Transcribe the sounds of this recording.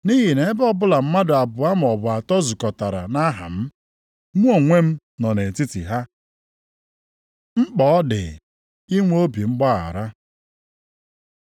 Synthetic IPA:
ni˦ɦi˨ne˨˦bɔ˦bʊ˦la˨m̩˦ma˦dʊ˨a˨bʊ˨a˦m̩˨ɔ˨bʊ˨a˨tɔ˦zu˨kɔ˨ta˨ɾa̰˨na˦ɦa̰˨m̩˦ | mu˦o˨ŋʷe˦m̩˦ | nɔ˨ne˨ti˦ti˨ɦa˦ | ŋ͡m̩˦k͡pɔ˨ɔ˦dɪ̰˨ | i˦ŋʷ˦o˦bi˨ŋ͡m̩˦ɡ͡ba˦ɣa̰˨ɾa˦

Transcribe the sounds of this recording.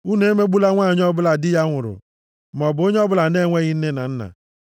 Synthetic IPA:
u˦ne˨e˦me˦ɡ͡bu˦la˦ŋʷa˦˨ɲ˦ɔ˦bʊ˦la˨dɪ˦ja˦ŋʷʊ˨ɾʊ̰˨ | m˨ɔ˨bʊ˨o˦ɲe˦ɔ˦bʊ˦la˨ne˦˨ŋʷe˦ɣɪ˦n̩˦ne˦na̰˨n̩˦na̰˨

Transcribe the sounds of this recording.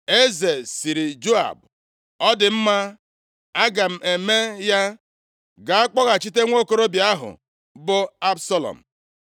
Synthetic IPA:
e˦ze˨si˨ɾi˨d͡ʒo˦a̰˨b̚ | ɔ˦dɪ˨m̩˦ma˦ | a˦ɡa˨m̩˨ʔe˨me˦ja˦ | ɡa˨a˦k͡pɔ˦ɣa˨t͡ʃi˦te˦ŋʷo˦ko˦ɾo˦bja˦ɦʊ̰˨ | bʊ˦a˦bsa˦lɔ̰˨m̩˨

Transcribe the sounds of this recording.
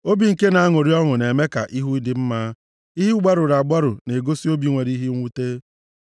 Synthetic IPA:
o˦bi˨ŋ̩˨ke˦na˨˦a˦ŋo˨ɾi˦ɔ˦ŋʊ˨ne˨me˦ka̰˨ʔi˦ɦu˦i˦dɪ˨m̩˦maː˦ | i˦ɦi˦ɡ͡ba˦ɾʊ˨ɾa˨ɡ͡ba˦ɾʊ˨ne˨ɡo˦si˦o˦bi˨˦ŋʷe˨ɾi˦ɦi˦ŋʷu˦te˦

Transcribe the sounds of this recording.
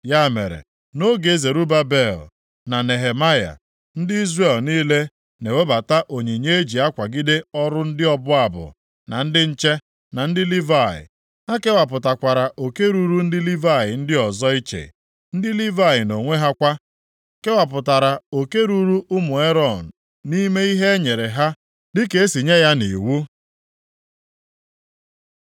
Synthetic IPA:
ja˦˨me˨ɾḛ˨ | no˦ɡe˨˦e˦ze˨ɾu˦ba˦be˦˨l̩˨ | na˨ne˨ɦe˨ma˦ja̰˨ | n̩˦dɪ˦i˦zre˦˨lniː˦le˦ | ne˨we˦ba˨ta˦ʔo˨ɲe˨ɲe˦e˦d͡ʒi˨a˦kʷa˨ɡɪ˦de˦ɔ˦ɾʊ˦n̩˦dɪ˦ɔ˦bʊ˦a˨bʊ̰˨ | na̰˨n̩˦dɪ˦n̩˦t͡ʃe˦ | na˨n̩˦dɪ˦li˦va˦˨ɪ̰˨ | ha˦ke˦wa˨p̬ʊ˨ta˨kʷa˨ɾa˨ʔo˨ke˦ɾu˦ɾu˦n̩˦dɪ˦li˦va˦˨ɪ˨n̩˦dɪ˦ɔ˨zɔ˦i˦t͡ʃḛ˨ | n̩˦dɪ˦li˦va˦˨jɪ˨no˨ŋʷe˦ɦa˦kʷa˦ | ke˦wa˨p̬ʊ˨ta˨ɾa˨o˨ke˦ɾu˦ɾu˦ʔʊ˦mʊ˨e˦ɾɔ˦˨n̩˨ | ni˦me˦i˦ɦe˦ɲe˨ɾe˨ɦa˦ | dɪ˦ke˨e˦si˨ɲe˦ja˦nḭ˨wu˦

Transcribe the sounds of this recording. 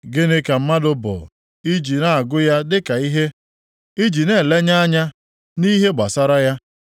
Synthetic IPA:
ɡɪ˦nɪ˦ka˨m̩˦ma˦dʊ˦bʊ̰˨ | i˦d͡ʒi˨na˦a˨ɡʊ˦ja˦dɪ˦ka˨i˦ɦe˦ | i˦d͡ʒi˨ne˦˨le˦ɲa˦a˦ɲa˦ | ni˦ɦe˦ɡ͡ba˨sa˦ɾa˦ja˦

